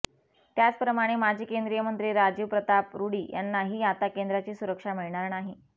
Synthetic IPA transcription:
t̪jat͡spɾəmaɽ̃emad͡ʑʱiːkend̪ɾijəmənt̪ɾiɾad͡ʑiːʋpɾət̪apɾuɽiːja̰nːaɦiːat̪akend̪ɾat͡ɕiːsuɾəkʂamiɭɳaɾnaɦiː

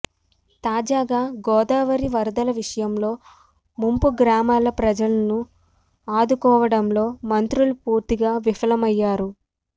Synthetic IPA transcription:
t̪aːd͡ʒaːɡaːɡɔːd̪aːʋɐɾiʋɐɾd̪ɐlɐʋiʂɐjɐmlo̞ː | mumpuɡɾaːmaːlɐpɾɐd͡ʒɐlɐnu | aːd̪ukɔːʋɐɽɐmlo̞ːmɐnt̪ɾulupuːɾt̪iɡaːʋifɐlɐmɐjːaːɾu

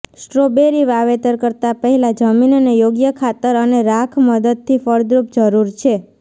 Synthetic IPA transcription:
sʈɾobeɾiʋaʋet̪əɾkəɾt̪apəɦɛlad͡ʒəminənejoɡjəkʰat̪əɾəneɾakʰməd̪əd̪̚t̪ʰifəɾd̪ɾup̚d͡ʒəɾuɾt͡ʃʰe

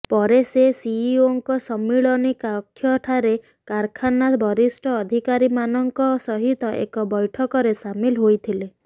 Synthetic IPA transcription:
pɔɾesesiioŋkɔsɔmːiɭɔnikakʰːjɔʈʰaɾe | kaɾkʰanabʱɔɾisʈʰɔːd̪ʱikaɾimanɔŋkɔsɔɦit̪ɔʔḛkɔbɔjʈʰɔkɔɾesamilɦojt̪ʰile

